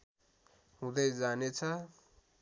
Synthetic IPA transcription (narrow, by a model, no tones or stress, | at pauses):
ɦũd̪ʌjd͡zanet͡sʰʌ